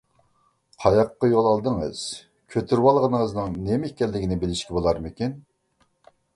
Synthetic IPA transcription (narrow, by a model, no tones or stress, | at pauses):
qʰɑjɑqːɑjolˠɑlˠd̪əŋɨ̰z̥ | kʲʰøt̪ʰyɾwɑlˠʁənəŋəznɨŋnemkʲːɛlːɪɡʲinɪbɪlɪʃkʲɛbolˠɑɾmɪkʲin